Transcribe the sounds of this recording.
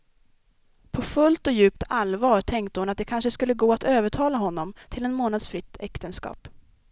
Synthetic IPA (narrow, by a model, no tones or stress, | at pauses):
pʰɔfɵlt̪ɔjʉ̟ːp̚t̪alvɑːʈʰɛŋkt̪əhʊnat̪̚d̪ɛkʰanʂəskɵlːəɡoːat̪øːvəʈʰɑːlaɦɔnːɔmt̪ʰɪlɛnmoːnad̪sfɾɪt̪ːɛkt̪ənskɑ̰ːp